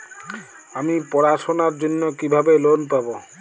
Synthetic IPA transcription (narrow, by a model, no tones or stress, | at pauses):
amipɔɾaʃonaɾd͡ʑonːokibʱabelonpabo